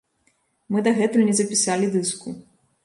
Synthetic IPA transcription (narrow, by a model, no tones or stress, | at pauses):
mɨd̪ɐɣɛt̪ujunʲɛzɐpʲisalʲid̪ɨsku